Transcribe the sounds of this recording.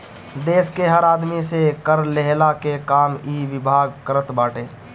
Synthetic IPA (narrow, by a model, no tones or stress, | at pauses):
d̪eːskeɦəɾaːd̪misekəɾleɦlakekaːmiːʋɪbʱaːɡkəɾət̪baːʈeː